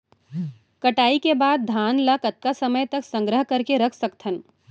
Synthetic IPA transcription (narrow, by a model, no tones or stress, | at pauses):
kɐʈaːikebaːd̪̚d̪ʱaːnlɐkət̪̚kasɐməjt̪ɐksə̃ŋɡɾəɦkɐɾkeɾɐkʰsɐkt̪ʰən